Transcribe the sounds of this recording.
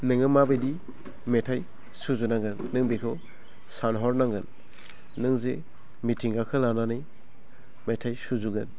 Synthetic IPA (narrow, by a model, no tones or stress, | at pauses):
nɯŋɯmabɯjdi | metʰaj | suzunaŋɡɯnːɯŋbikʰɯ | sanɦɔɾnaŋɡɯnː | ɯŋze | mitʰiŋɡakʰɯlananɯj | metʰajsuzuɡɯn